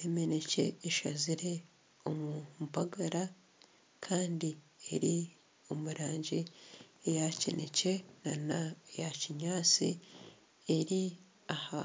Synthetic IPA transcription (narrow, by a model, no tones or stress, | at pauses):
emene̞ce̞̰ːʃaziɾe | omumpaɡaɾa | kʰaːndi | e̞̰ɾi | o̞muɾaːɲɟiejacḛnḛce̞nanajaciɲaːt͡si | eɾi | aha̰